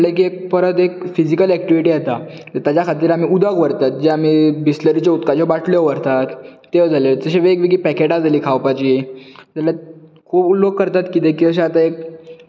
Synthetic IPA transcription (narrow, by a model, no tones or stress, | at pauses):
lek̬iek̚pəɾət̪ekfid͡ʑikəlɛk̚ʈiʋiʈiat̪a | t̪əɾt̪jat͡ɕjakʰat̪̬iːɾam̤iːud̪aɡʋəɾt̪at̪̚d͡ʑeamiːbisləɾit͡ɕaut̪kat͡ɕɔbaʈʰljɔʋəɾt̪at̪ː | eʋd͡zʱaled͡zəɕeʋeːɡʋiɡiːpɛkeʈad͡zʱaliːkʰawpat͡ɕiːd͡zalja | kʰuːpulːoɡ̚kːəɾt̪at̪kit̪ẽkiəɕ̬eat̪aek̚